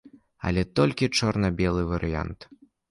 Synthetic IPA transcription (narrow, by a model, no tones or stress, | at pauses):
ɐ̰lʲɛt̪ɔlʲkʲit͡ʂɔrnɐbʲɛlˠɨvɐɾɨja̰nt̪